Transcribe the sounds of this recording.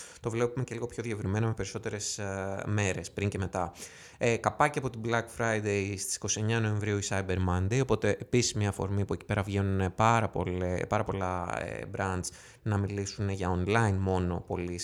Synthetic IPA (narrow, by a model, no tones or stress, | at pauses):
t̪o̞vle̞pume̞ce̞liɣo̞pço̞ðie̞vɾime̞nɐme̞pe̞ɾiso̞t̪e̞ɾe̞sme̞ɾe̞spɾiɲce̞me̞t̪ɐ | ekɐpɐceɐpot̪iblɐkfɾɐjd̪ejst̪isi̥ko̞sie̞ɲɐno̞ẽ̞ɱvɾiuisɐjbe̞ɾmɐnd̪ejo̞po̞t̪e̞ʔepisi̥zmiɲɐfo̞̰ɾmipue̞ci̥pe̞ɾɐvʝe̞nune̞pɐɾɐpolepɐɾɐpo̞lɐḛbɾɐnd̪s | nɐmilisune̞ʝɐonlɐinmo̞no̞̰po̞lis